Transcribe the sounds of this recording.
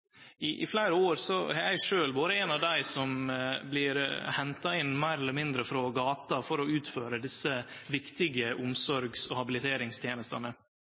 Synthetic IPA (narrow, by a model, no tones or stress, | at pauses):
ɪʔɪ̰flæɪɾəoːɾsɔɛjæɪʂøːlboːɾəɛnɑʋd̪æɪsɔmblɪɾhɛnt̪ɑɪnːmæɪɾɛlːəmɪnd̪ɾəfɾoːɡɑːt̪ɑfɔɾɔʉːt̪føːɾəd̪ɪsːəʋɪkt̪ɪɡəʔʊmsɔɾɡsɔhɑbɪlɪt̪ʰeːɾɪŋst̪ʰjeːnəst̪ɑnə